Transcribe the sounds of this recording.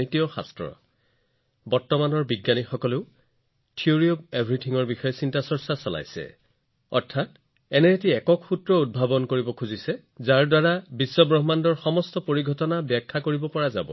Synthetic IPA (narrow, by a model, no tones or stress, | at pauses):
itijɔxa̰stɹɔ̰ | bɔɹtɔmanɔɹbiɡːanixɔkɔleʊ | tʰioɹiobebʱɹitʰiŋɔɹbixɔjɔsintasɔɹsasɔla̰jsɛ̰ | ɔ̰ɹtʰat | ɛnɛːt̬iɛkɔkxutɹɔud̚bʱabɔnkoɹibɔkʰuzisɛ | zaɹdaɹabisːɔbɹɔɦmandɔɹxɔmɔstɔpoɹiɡʱɔtɔnabɛkʰːakoɹibɔpɔɹaza̰bɔ̰